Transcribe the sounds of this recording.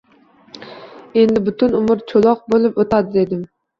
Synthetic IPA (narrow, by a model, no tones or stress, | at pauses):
e̞nd̪ɪbʊt̪ʰʊnʊmɪɾt͡ʃʰolˠɒq̚bolˠɪpot̪ʰad̪ɪd̪e̞d̪ɪm